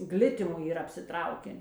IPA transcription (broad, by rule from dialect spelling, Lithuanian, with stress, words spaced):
ˈɡlʲɪtʲɪmʊ iːˈrɐ ɐpʲsʲɪˈtrɐʊkʲɛn